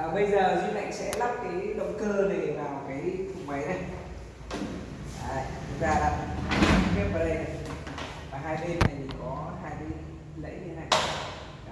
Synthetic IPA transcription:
ɓə˧jzəː˨˩zwi˧nʔa̰˧˨jŋ̟sɛ̰˧˥la˦˥p̚kaː˨˦jɗə̰˧˨wŋ͡mkəː˧ɗe˨˩vaː˨˩wkaː˨˦jfʰʊ˨˩ŋ͡mmə˨˦jnə˨˧˦j | ʔaː˨˩t̪ʰʊ˨˩˦k̚zaː˧laː˨˩˨xe˦˥p̚vəː˨˧˩ɗə˧j | vaː˨˩ɦaː˧jɗe˧nna˨˩jt̪ʰi˨˩kɔ˨˦haː˧jɗe˨˧n | lə̰˧˥jɲɨ˧na˨˧˩j

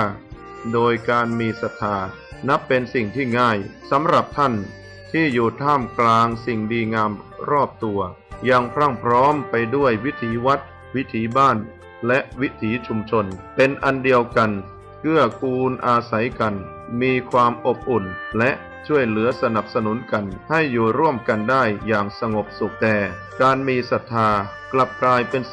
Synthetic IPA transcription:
doː˧jkaː˧nmiː˧sa˨˧˩t̪ʰːaː˧ | na˦˥pːe˧nsi˨˩ŋt̪ʰiː˥˩ŋaː˥˩jsa˩˦mɾa˨˩p̚t̪ʰa˥˩n | t̪ʰiː˥˩juː˨˩t̪ʰaː˥˩mklaː˧ŋsi˨˩ŋdiː˧ŋaː˧mɾɔː˥˩p̚t̪u˧ɐ | ja˧ŋpʰɾa˥˩ŋpʰɾɔː˦˥mpa˧jdu˥˩əjwi˦˥t̪ʰiː˨˦wa˦˥t̪̚ | wi˦˥t̪ʰiː˨˦baː˥˩n | lɛ˦˥ʔwi˦˥t̪ʰiː˩˦t͡ɕʰu˧mt͡ɕʰo˧npe˧nʔa˧ndi˧əwka˧n | kʰɯ˥˩ɐkʰuː˧nʔaː˧sa˩˦jka˧n | miː˧kʰwaː˧mʔo˨˩p̚ʔu˨˩nlɛ˦˥ʔ | t͡ɕʰu˥˩əjlɯ˩˦ɐsa˧na˨˩p̚sa˧nu˩˦nka˧nha˥˩jːuː˨˩ɾu˥˩əmka˧ndaː˥˩jːaː˨˩ŋsa˧ŋo˨˩p̚su˨˩k̚t̪ɛː˨˩ | kaː˧nmiː˧sa˨˩t̪ʰːaː˧ | kla˨˩p̚klaː˧jpe˧n

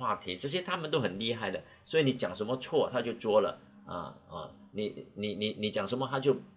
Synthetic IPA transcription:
wa˥˩t̪ʰi˧˥ʈ͡ʂə˥˧ɕ̩˥t̪ʰa˥mə˨nt̪o˥ʊxə˨˩nli˥˧xa˥˩ɪd̪ə˩ | swɔ˧˥i˧˥ni˨˩t͡ɕjɑ˨˩ŋʂə˧˥nmə˧t͡sʰwɔ˥˩t̪ʰa˥t͡ɕjo˥˩ʊʈ͡ʂwɔ˥lə̰˨ | ə̰˧˩ə̰˧˩ni˨˦ni˨˩ni˨˩ni˨˩t͡ɕjɑ˨˩ŋʂə˧˥nmə˧t̪ʰa˥t͡ɕjo˥˩ʊ

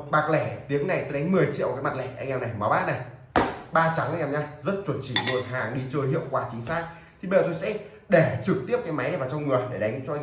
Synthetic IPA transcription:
ɓaː˨˩k̚lɛ˧˩t̪i˨˦əŋna˨˩jt̪o˧˦˧ɗa˨˦ŋ̟mɨ˨˩əjt͡ɕḭ˧əwkaː˨˦jma˨˩t̚lɛ˧˩ʔa˧ŋ̟ʔaː˧˩na˨˩jma˨˦wɓaː˦˥t̚na˨˩j | ɓaː˧t͡ɕa˨˦ŋʔa˧ɲaː˧˩ɲaː˧zə˦˥t̚t͡ɕwə˧˩nt͡ɕi˧˩mo˨˩t̚haː˨˩ŋɗi˧t͡ɕəː˧jɦḭ˧˨əwkwaː˧˩t͡ɕï˨˦ŋ̟saː˦˥k̚ | t̪ʰi˨˩ɓḛ˧˨˩t̪o˧jsɛ̰˧˥ | ɗe˧˩t͡ɕɨ˨˩k̚t̪i˦˥əp̚kaː˨˦jma˨˦jn˧˩vaː˨˩wt͡ɕɔ˧wŋ͡mŋɨ˨˩əjɗe˧˩ɗa˨˦ŋ̟t͡ɕɔ˧

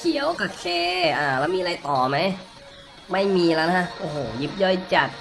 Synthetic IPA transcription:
kʰi˨˦˥əwka˧˩kʰeː˧˥˩ʔaː˧˩lɛː˦˥wmiː˧ʔa˧jt̪ɔː˨˩ma˦˥j | ma˥˩jmiː˧la˧˦˥n˧a˦˥ʔʔoː˨˩hoː˨˩ji˦˥p̚jɔ˥˩jt͡ɕa˨˩t̪̚

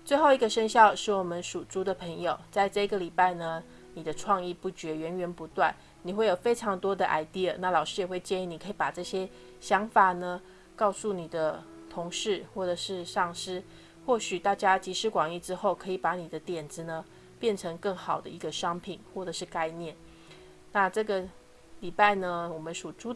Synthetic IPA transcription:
t͡swe˥˧ɪxo˥˩ʊi˧˥ɡə˧ʂə˥ŋɕjɑ˥˧ʊʂɻ̩˥˩wɔ˨˩mə˦nʂu˨˩t͡su˧˥d̪ə˨pʰə˧˥ŋjo˨˩ʊt͡sa˥˧ɪʈ͡ʂɤ˥˩i˧˥ɡə˨li˨˩pa˥˩ɪnə˩ | ni˨˩d̪ə˦ʈ͡ʂʰwɑ˥˧ŋi˥˧pu˥˩t͡ɕɥɛ˧˥ɥɛ˧˥nɥɛ˧˥npu˧˥t̪wa˥˩n | ni˨˩xwe˥˩ɪjo˨˩fe˥ɪʈ͡ʂʰɑ˧˥ŋt̪wɔ˥d̪ə˨ʔa̰˨˩ɪt̪i˥˩na˥˩lɑ˨˩ʊʂɻ̩˥jɛ˨˩xwe˥˩ɪt͡ɕjɛ˥˧ni˥˩˨ni˨˩kʰɤ˧˥i˨˩pa˨˩ʈ͡ʂɤ˥˩ɕjɛ˥ | ɕjɑ˧˥ŋfa˨˩nə˩ | kɑ˥˧ʊsu˥˩ni˨˩d̪ə˦ | t̪ʰʊ˧˥ŋʂɻ̩˥˩xwɔ˥˩ʈ͡ʂɤ˨˩ʂɻ̩˥˧ʂɑ˥˩ŋʂɻ̩˥ | xwɔ˥˩ɕy˨˩t̪a˥˩t͡ɕja˥t͡ɕi˧˥ʂɻ̩˥kwɑ˨˩ŋi˥˩ʈ͡ʂɻ̩˥xo˥˩ʊkʰɤ˧˥i˨˩pa˧˥ni˨˩d̪ə˦t̪jɛ˨˩nd͡zɹ̩˧˦nə˩ | pjɛ˥˩nʈ͡ʂʰɤ˧˥ŋkɤ˥˩ŋxɑ˨˩ʊd̪ə˦i˧˥ɡə˧ʂɑ˥ŋpʰi˨˩nxwɔ˥˩ʈ͡ʂɤ˨˩ʂɻ̩˥˧ka˥˧ɪnjɛ˥˩n | na˥˧ʈ͡ʂɤ˥˩ɡə˩ | li˨˩pa˥˩ɪnə˩wɔ˨˩mə˦nʂu˨˩ʈ͡ʂu˥

